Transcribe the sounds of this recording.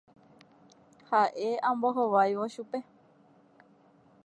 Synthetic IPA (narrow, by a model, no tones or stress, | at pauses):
haʔe̞ãmboɦoʋajʋoʃupe̞